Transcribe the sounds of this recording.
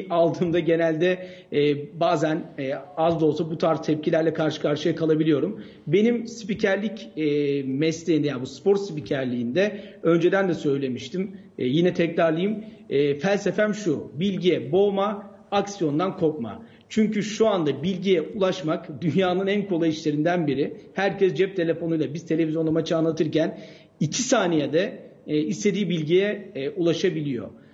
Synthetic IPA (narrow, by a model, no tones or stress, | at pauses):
alˠt̪ʰɯːmd̪aɟe̞nælʲd̪ɛː | baːzænɛazd̪o̞sabut̪ʰaɾzt̪ʰɛp̚cʰilʲæɾlʲɛkʰaɾʃɯ̥kʰaɾʃɯjakʰalˠabilʲijo̞ɾum | be̞nimspicʰæɾlʲicː | mɛslʲeind̪ɛjabuspʰo̞ɾt̪spicʰæɾlʲiːnd̪ɛø̞nd͡ʒe̞d̪ænd̪ɛsø̞jlʲe̞miʃt̪ʰimː | jinɛt̪ʰɛclaɾlˠajimɛːfælʲse̞fæmʃubilʲɟijɛbo̞ma | aksijo̞nd̪ankʰo̞pma̰ | t͡ʃʰyɲcyʃuand̪abilʲɟijɛʔulˠaʃmakd̪ynjaːnɯnænkʰo̞lˠajiʃlʲe̞ɾind̪ænbiɾɪhæɾcʰɛsd͡ʒɛp̚t̪ʰe̞lʲe̞fo̞nujlˠabizt̪ʰee̞vʲizjo̞namat͡ʃʰaːnlˠat̪ʰɯɾcʰæn | icʰisaːnijɛd̪ɛislʲe̞d̪iːbilʲɟijɛulˠaʃabilʲijo̞̰